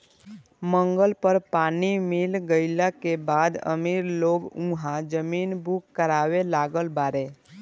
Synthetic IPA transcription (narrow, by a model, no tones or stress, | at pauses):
mə̃ŋɡəlpəɾpaːnimilɡəɪlakebad̪ə̰miɾloːɡũɦãd͡ʒəminbukːəɾaːwelaɡəlbaɾe